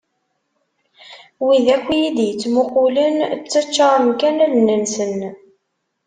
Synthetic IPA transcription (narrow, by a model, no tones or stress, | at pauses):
wiðækʷːijid̪jət͡sːmʊqulənt͡sːət͡ʃːɑɾˤəmkænælnːənsən